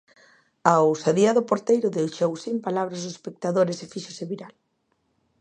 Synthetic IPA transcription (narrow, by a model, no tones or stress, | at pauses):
aosaðiaðʊpoɾt̪ejɾʊðewʃowsimpalaβɾazʊespek̚t̪aðoɾesefiʃʊseβiɾal